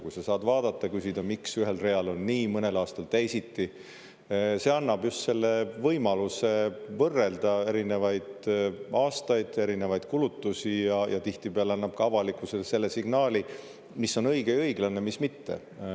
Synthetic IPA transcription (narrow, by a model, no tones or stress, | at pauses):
kujsɑsɑːd̪vɑːd̪̥ɑt̪ːˑɑkysid̪̥ɑmiksyɦe̞lre̞ɑlo̞nnːiːmɤne̞lɑːst̪ɑlt̪æjsit̪ːi | se̞ɑnːɑb̥just̪se̞lːe̞vɤjmɑluse̞vɤrːe̞ld̪̥ɑe̞ɾine̞vɑjd̪̥ɑːst̪ɑjd̪̥e̞ɾine̞vɑjd̪̥kulut̪ːusijɑjʔɑ̰t̪iht̪ipeɑleɑnːɑb̥̚kɑɑvɑlikˑuselse̞lːe̞siɡ̥nɑːli | misːo̞nɤ̞jɡ̥e̞ɤjɡ̥lɑne̞mismit̪ːe̞̰